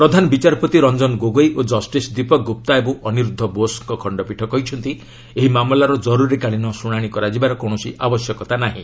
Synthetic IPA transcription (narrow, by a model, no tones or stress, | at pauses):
pɾɔd̪ʱanɔbit͡ʃaɾpɔt̪iɾɔnd͡ʒɔnɡoɡojʔod͡ʒɔsʈisd̪ipɔk̚ɡup̚t̪aebõʔɔniɾud̪ʱːɔbosŋkɔkʰɔɳɖɔpiʈʰɔkɔɦit͡ʃʰɔnt̪i | eɦimamlaɾɔd͡ʒɔɾuɾikaɭinɔsuɽ̃aɽ̃ikɔɾad͡ʒibaɾɔkɔɳ̃ɔsiʔʔabɔsjɔkɔt̪anaɦḭ̃